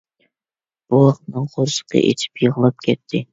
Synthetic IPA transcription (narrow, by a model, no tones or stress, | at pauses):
b̥uɑq̪̚nɨŋʁoɾsə̥qʰə̰ʔḛt͡ʃʰi̥pjəʁəlˠɑp̚kʲʰɛt̪ʰːɪ